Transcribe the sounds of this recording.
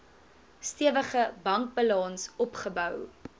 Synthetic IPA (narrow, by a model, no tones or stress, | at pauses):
stiəvəχəbɐŋk̚bəlɑnsɔpχəbœw